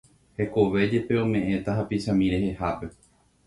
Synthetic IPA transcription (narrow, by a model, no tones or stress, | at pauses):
he̞ko̞ʋe̞d͡ʒe̞pe̞õ̞mẽ̞ʔẽ̞t̪aɦapiʃãmĩɾe̞ɦe̞hape̞